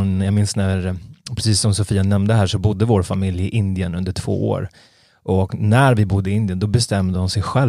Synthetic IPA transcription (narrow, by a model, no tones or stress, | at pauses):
njaɡmɪnsnæɾpʰɾɛsiːsːɔmsɔfiːanɛmnd̪əɦæːʂɔbʊd̪ːəvoːɾfamɪljɪʔɪnd̪ɪənɵnd̪əʈʰv̥o̰ːo̰ːɾ | ʔɔknæɾvɪbʊd̪ːəɪɪnd̪ɪənd̪ɔbɛst̪ɛmd̪əhʊnsɛjɧɛl